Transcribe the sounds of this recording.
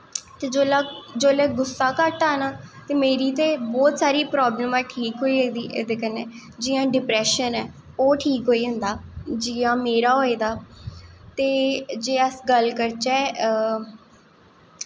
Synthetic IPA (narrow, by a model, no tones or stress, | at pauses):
t̪eːd͡ʒoːlaːd͡ʒoːlɛːɡʊsːaːkəʈaːnaːt̪eːmeːɾiːt̪eːbɔːt̪saːɾiːpɾɔːbləmɛ̃ːʈʰiːkɦoːiːeːd̪iːʔḛd̪eːkəneːd͡ʒɪjãːɖɪpɾɛːʃənɛː | oːʈʰiːkɦoːiːɦə̃nd̪aːd͡ʒɪjãːmeːɾaːɦoːiːd̪aː | t̪eːd͡ʒeːəsɡəlkəɾt͡ʃɛː